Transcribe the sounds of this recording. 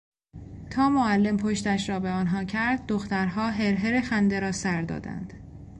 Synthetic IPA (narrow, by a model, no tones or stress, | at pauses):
t̪ʰɒːmoælːe̞mpʰoʃt̪æʃɾɒːbeɒːnɦɒːcʰæɾd̪̚ːoxt̪æɾɦɒːɦe̞ɾɦeɾexænd̪e̞ɾɒːsæɾd̪ɒ̰ːd̪æ̰nd̪̥